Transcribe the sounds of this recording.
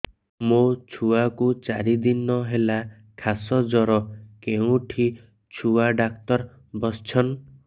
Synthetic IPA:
mot͡ʃʰuakut͡ʃaɾid̪inɔɦela | kʰasɔd͡ʒɔɾɔkeũʈʰi | t͡ʃʰuaɖakt̪ɔɾ | bɔst͡ʃʰɔn

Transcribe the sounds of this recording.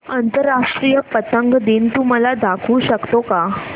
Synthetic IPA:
ənt̪əɾːaʂʈɾijəpət̪əŋɡd̪int̪um̤alad̪akʰuːɕəkt̪oka

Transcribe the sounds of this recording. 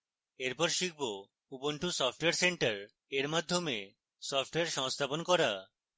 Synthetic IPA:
eɾpɔɾʃik̚ʰbo | upoɳʈʰusɔfʰʈoejaɾseɳʈaɾ | eɾmad̪ʱːome | sɔfʈoeaɾʃɔŋst̪ʰaponkɔɾa

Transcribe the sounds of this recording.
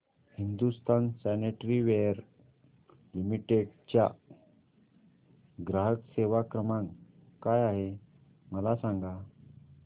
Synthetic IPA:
hind̪ust̪ʰansæneʈɾiʋejəɾ | lumiʈeɖt͡ɕja̰ | ɡɾaɦəkseʋakɾəmãŋ | kajaɦe | məlasãŋɡa

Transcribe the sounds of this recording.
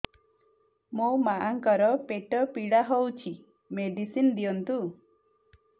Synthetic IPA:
mowmaʔaŋkɔɾɔpeʈɔpiɽaɦowt͡ʃʰi | meɖisind̪ijɔnt̪u

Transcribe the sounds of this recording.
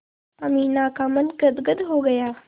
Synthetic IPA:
ɐmĩːnaːkaːmənɡɐd̪ɡəd̪ɦoːɡɐjaː

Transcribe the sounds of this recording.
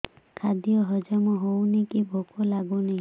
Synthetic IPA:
kʰad̪ijɔɦɔd͡ʒamɔɦownikibʱɔkɔlaɡuni

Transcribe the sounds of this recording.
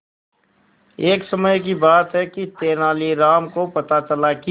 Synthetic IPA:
eːksəməjk̬ibaːt̪ɦɛkit̪eːnaːliɾaːmkopɐt̪at͡ʃəlaki

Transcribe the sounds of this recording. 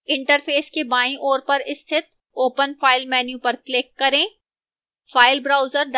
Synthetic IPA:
ɪ̃ɳʈəɾfʰeːskebaːĩʔoːɾpɐɾɪst̪ʰɪt̪̚ | oːpənfaːɪlmɛːnjũpɐɾklɪkːɐɾẽː | faːɪlbɾaːʊzəɾɖ

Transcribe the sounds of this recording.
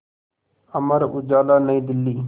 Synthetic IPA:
əməɾud͡ʒaːlaːnəĩːd̪ɪlːiː

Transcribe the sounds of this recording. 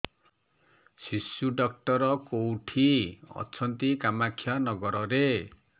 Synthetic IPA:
sisjuɖʌk̚ʈɔɾɔkowʈʰiʌ̰t͡sʰʌnt̪ikamakʰːjanʌɡɔɾɔɾe

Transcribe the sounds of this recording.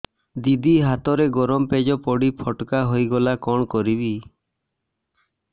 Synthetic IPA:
d̪id̪iɦat̪ɔɾeɡɔɾɔmped͡ʒɔpɔɽipʰɔʈkaɦojɡɔlakɔɳ̃kɔɾibi

